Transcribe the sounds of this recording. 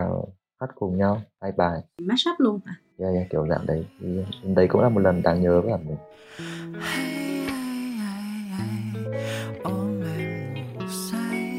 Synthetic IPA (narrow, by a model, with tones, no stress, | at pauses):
a˨˩˨ | xa˦˥t̚kʊ˨˩ŋ͡mɲa˧whaː˧jɓaː˨˩jmaː˦˥sa˦˥t̚lu˧ənaː˧˩zaː˧ɲaː˧˩t̪i˨˧˩əwza̰ː˧˨ŋɗə˨˦jt̪ʰi˨˩˧i˨˧˩nɗə˨˦jkʊ̰˧˥ŋ͡mlaː˨˩o˨˩t̚lə˨˩nɗaː˨˧˦ŋɲəː˨˦vəː˨˦laː˨˩mï˨˩ŋ | ha˧a˧jha˧ja˧j | ʔo˨˧˩ma˨˩ | sa˧˦j